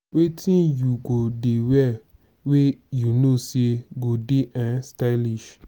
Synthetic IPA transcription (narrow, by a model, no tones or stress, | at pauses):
wetĩnjuɡodewɛ | wejunoseɡodeʔãnstaliʃ